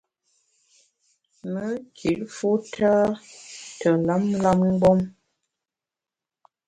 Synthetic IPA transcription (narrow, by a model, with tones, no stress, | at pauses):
mə˦ki˨ʔfu˦tʰaː˦ | tə˨la˦mla˦mŋ̩˦ɡ͡bɔ˦m